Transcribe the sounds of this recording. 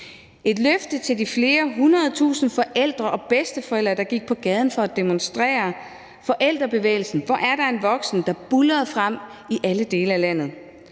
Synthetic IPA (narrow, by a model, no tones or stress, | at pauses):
ʔe̝d̥løfd̥ət͡sʰe̝ld̥ifle̝ːɐɦunʁɐð̞ˠt͡sʰṵːsn̩fɒ̽ʔel̰d̥ʁɐʔɒ̽b̥esd̥əfɒ̽el̰d̥ʁɐd̥ɑ̈ɡ̥iɡ̥̚pʰɒ̽ɡ̥ɛːð̞ˠn̩fɒ̽æd̥e̝monsd̥ʁɛ̰ːɐ | fɒ̽ʔel̰d̥ʁɐb̥e̝ʋḛːɪlsn̩ʋɒʔæɐɾ̥ɑ̈e̝nʋɒ̽ɡ̥sn̩d̥ɑ̈b̥ulɐð̞̩ˠfʁam̰iʔæləd̥e̝ːləælæn̰ð̞̩ˠ